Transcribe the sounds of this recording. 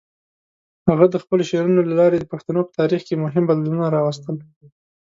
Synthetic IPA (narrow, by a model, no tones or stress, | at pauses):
haɣad̪əxpəloʃeɾunolalɑɾed̪əpaxt̪anopə̥t̪ɑɾixkemʊɦɪmbad̪lanunaɾɑwast̪əl